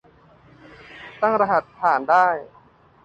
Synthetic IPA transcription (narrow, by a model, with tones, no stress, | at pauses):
t̪a˥˩ŋɾa˧ɦa˨˩t̪̚pʰːaː˨˩˦ndaː˥˩j